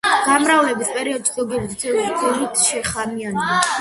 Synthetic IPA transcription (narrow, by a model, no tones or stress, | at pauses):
ɡ̥amɾavlɛbispʼɛɾiɔd̪t͡ʃkʼɔɡɛbizsʰɛiɾk̪ʰʼɛlit̪ʰʃɛχamiana